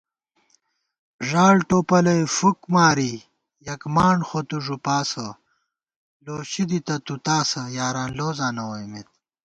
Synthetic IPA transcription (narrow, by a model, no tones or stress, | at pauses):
ʐaːɽʈoːpɐlɐjfukmaːɾi | jɐkmaːɳxot̪uʐupaːsɐ | loːɕid̪it̪ɐt̪ut̪aːsɐjaːɾaːnloːzaːnɐwɐjmet̪̚